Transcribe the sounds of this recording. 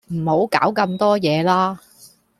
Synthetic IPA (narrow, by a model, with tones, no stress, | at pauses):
m̩˨˩ho˨˥wkaː˨˥wkɐ˧mt̪ɔː˥jɛː˨˧laː˥